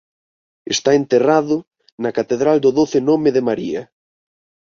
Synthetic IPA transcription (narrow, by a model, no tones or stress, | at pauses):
est̪aent̪eraðʊ | nɐkat̪eðɾald̪ʊðoθɪnomeðɪmaɾḭɐ